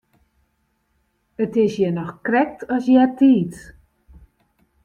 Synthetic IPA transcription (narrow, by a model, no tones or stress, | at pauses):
ətɪsjɛnɔxkrɛk̚tʰɔsjɛtʰiːt